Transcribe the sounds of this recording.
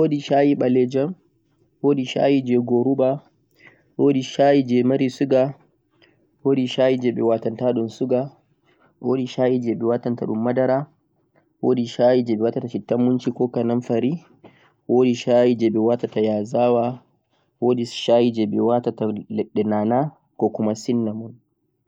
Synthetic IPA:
wodiʃajiɓalɛd͡ʒɔn | woːɗiʃa̰jid͡ʒɛɡoɾuɓa | wodiʃajid͡ʒɛmaɾisuɡa | wodiʃajid͡ʒɛɓɛwatantaɗunsuɡa | woːɗiʃajid͡ʒɛɓɛwatanta̰ɗṵmːadaɾa | woːdiʃaːjid͡ʒɛɓɛwatataʃitːamːunt͡ʃikɔkananfaɾi | woːdiʃajid͡ʒɛɓɛwatatajaːzawa | woːdiʃajid͡ʒɛɓɛwatatalɛɗɛnana | kɔkumasinːamun

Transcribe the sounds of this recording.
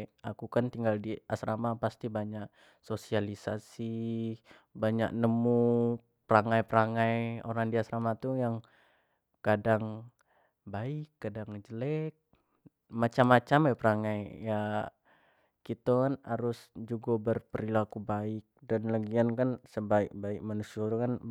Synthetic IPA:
ʔakukant̪iŋɡaldiasɾamapast̪ibaɲaʔ | sosialisasi | baɲak̚nəmu | pəɾaŋajpəɾaŋajo̰ɾaŋdiasɾamat̪ujaŋ | kadaŋ | baɪkːadaŋd͡ʒəlɛk̚ | mat͡ʃamːat͡ʃamapəɾaŋajja | kit̪akanhaɾʊsd͡ʒuɡabərpəɾilakubaɪk̚danlaɡiankansəbaɪk̚baɪk̚manusiat̪ukan

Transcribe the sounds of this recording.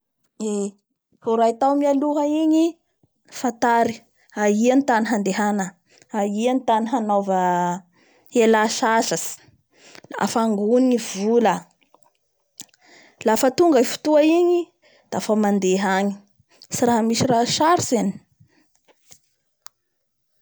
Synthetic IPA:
e | foɾait̪awmialuɦaiɲi | fat̪aɾi | aianit̪aniɦand̪eɦanə | aianit̪aniɦanovə | elaʃaʃasi̥ | a̰faŋɡuniivulə | lafət̪uŋɡəifu̥t̪uaiɲi | d̪̥afamand̪eɦaɲi̥ | siɾaɦamisiraʃaɾiseni̥

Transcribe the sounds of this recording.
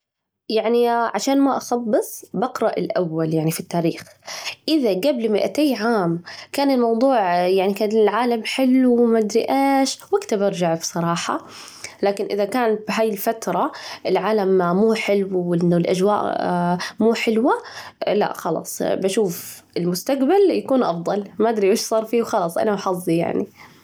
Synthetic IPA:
jaʕniʕaʃaːnmaʔɑxɑbːɨsˤbɑqɾˤɑʔɪlʔawːaljaʕnifit̪ːaːɾiːxʔɪðaɡablmɪʔat̪eːjʕaːmkaːnɪlmɑwd̪ˤuːʕjaʕnikaːnɪlʕaːlamħɪlːwmad̪ɾɪʔaːʃwʔakt̪abɑɾˤd͡ʒaʕbisˤɑɾˤɑːħɑ̰ | laːkɪnʔɪðakaːnbɦaːjɪlfat̪ɾˤɑɪlʕaːlammuːħɪlwwɪnlʔa̰d͡ʒwaːʔ | muːħɪlwala̰ʔxɑlɑ̰ːsˤbaʃuːf | ɪlmʊst̪aqbaljakuːnʔɑfd̪ˤɑlmaʔad̪ɾiʔeːʃsˤɑːɾˤfiːwxɑlɑːsˤʔa̰nabħɑzˤːija̰ʕni

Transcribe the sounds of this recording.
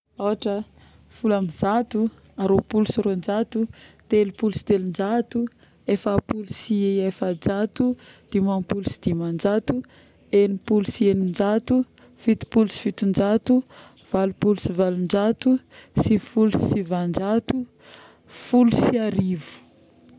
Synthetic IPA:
awaʈ͡ʂə | fulamizat̪u | aɾopulusuɾond͡ʒat̪ut̪elupulusi̥t̪elind͡ʒat̪u | efapulusiejefad͡ʒat̪ud̪̥imampulusi̥d̪̥imand͡ʒat̪u | enipulusienind͡ʒat̪u | fit̪i̥pulusi̥fit̪und͡ʒat̪u | v̥alupulusivalund͡ʒat̪u | sifulussivand͡ʒat̪u | fulusiaɾivu̥

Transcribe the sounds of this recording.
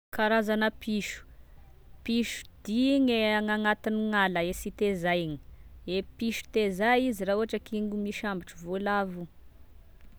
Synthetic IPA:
kaɾazanəpiʃu̥ | piʃu̥d̪̥iŋeaŋaŋat̪iniŋaləesit̪ezajŋi̥epiʃu̥t̪ezaizirauɦaʈ͡ʂəkiŋɡumiʃambiʈ͡ʂuvolavu

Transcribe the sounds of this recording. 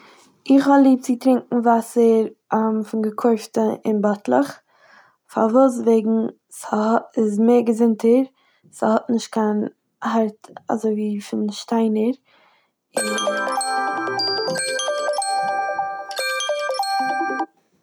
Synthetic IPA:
ɪχhɔlˠiːp̚t͡sɪtɾɪŋkŋ̩vasəɾamfɪnɡəkʰoɪftəʔɪ̰nbatlˠəχ | fa̰ɾvuːs̬veɪɡŋ̩ | səɪzmeːɾɡəzɪntəɾ | səhɔtnɪʃt̚kʰan | haɾta̰zoɪviːfɪnʃtaɪnəɾ | ɪ

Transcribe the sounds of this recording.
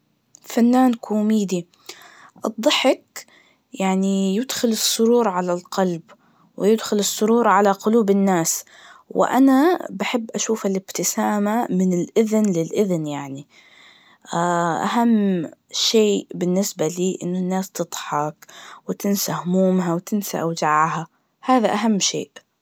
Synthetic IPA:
fanːaːnkuːmiːd̪i | ʔɨ̰d̪ˤːɑħɪk | jaʕnijɪd̪xʊlɨsˤːʊɾuːɾʕalalqɑlb | wɪjɪd̪xʊlɨsˤːʊɾuːɾˤʕalaqʊluːbɪnːaːs | wɪ̰ʔa̰nabaħɪbːʔaʃuːfalɪbt̪ɪsaːmamɪnɪlʔɪðnlɪlʔɪðnjaʕni | ʔa̰ɦamːʃeːbɪnːɪsbaliːʔɪ̰nːʊnːaːst̪ɨd̪ˤħɑkwɪt̪ɪnsahʊmuːmɦawt̪ɪnsa̰ʔawd͡ʒaʕha | haːðaʔaɦamːʃḛːʔ

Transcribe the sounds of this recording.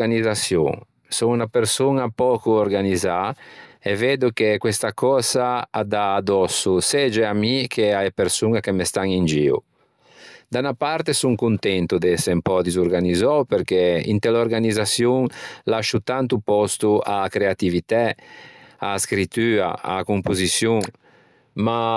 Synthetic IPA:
anizasjṵŋ | suŋunapeɾsunapɔːkuoɾɡanizaeveːd̪ukekwest̪akɔːzaːd̪aːd̪ɔsused͡ʒɛamikʰeajepeɾsuŋakemest̪aŋind͡ʒiːṵ | d̪anapaɾt̪esuŋkunt̪ɛnt̪ud̪esempɔd̪izuɾɡanizɔwpeɾkeḭnt̪eloɾɡanizasjuŋlaʃut̪ant̪upɔst̪uakɾeat̪ivit̪ɛ | askɾit̪yːɾa̰a̰kumpuzisjuŋ | ma

